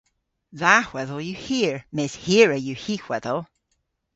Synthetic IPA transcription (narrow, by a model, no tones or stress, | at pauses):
ðahwɛðəlˠjəhiəɹmɪz̥hiəɹəjəhixw̥ɛðəlˠ